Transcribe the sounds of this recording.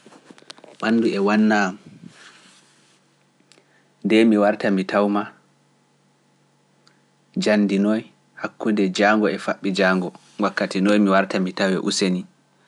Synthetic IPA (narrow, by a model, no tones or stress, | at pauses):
ɓanːduɛwanːam | ndɛmiwaɾtamitʰawma | d͡ʒanːdinɔj | hakːudɛd͡ʒaŋɡɔɛfaɓːid͡ʒaːŋɡɔ | wakːatinɔjmiwaɾtamitawɛ̰ʔuseni